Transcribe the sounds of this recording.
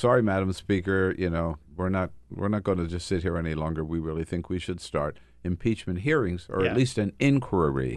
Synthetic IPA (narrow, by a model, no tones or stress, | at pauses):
sɑɹimæɾə̃m̩spikə˞jʔɨnoʊwɪɹnət̚wɪ̰ɹnət̚ɡ̥õʊɪ̃nɨd͡ʒʌstsɪt̚ɦiɹɛnilɔ̃ŋɡə˞wiɹɪlˠiθɪ̃ŋkwiʃɨd̥stɑ̰ɹɾ | ɨ̃mpʰit͡ʃmɨ̃nt̚ɦiɹɪ̃ŋzə̰˞ɨtˡlistɨ̃nɪ̃nkʰwə˞ḭ